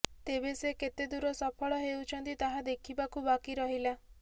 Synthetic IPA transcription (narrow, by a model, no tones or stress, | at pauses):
t̪ebeseket̪ed̪uɾɔsɔpʰɔɭɔɦewt͡ʃʰɔnt̪it̪aɦad̪ekʰibakubakiɾɔɦila